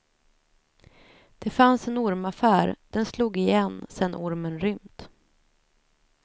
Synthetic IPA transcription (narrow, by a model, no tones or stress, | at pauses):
d̪̥ɛfansɛnʊɾmafæːɾd̪̥ɛnsluːɡɪjɛnːsɛnːʔʊɾmənɾʏmt̪